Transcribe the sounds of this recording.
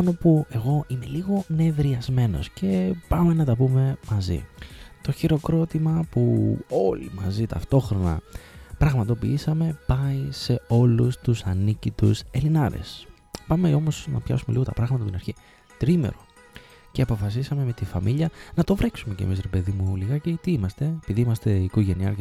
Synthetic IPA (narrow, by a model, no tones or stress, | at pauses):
onopue̞ɣo̞ʔime̞liɣo̞ne̞vɾiɐzme̞no̞̰sce̞pɐme̞nɐt̪ɐpume̞mɐzḭt̪o̞çiɾo̞kɾo̞t̪imɐpuo̞lḭmɐzit̪ɐ̰ft̪o̞xɾo̞nɐ̰pɾɐɣmɐt̪o̞piisɐme̞pɐise̞o̞lust̪usɐnicit̪use̞linɐɾḛs | pɐmeo̞mosnɐ̰pçɐ̰sume̞liɣo̞t̪ɐpɾɐɣmɐt̪ɐput̪inɐɾçi | t̪ɾimḛɾo̞ | ceɐpo̞fɐsisɐme̞me̞t̪ifɐmiʎɐnɐt̪o̞vɾeksume̞cḛmisɾe̞pe̞ðimuliɣɐcet̪iimɐst̪e̞epiðiimɐst̪e̞ikoʝe̞niɐɾ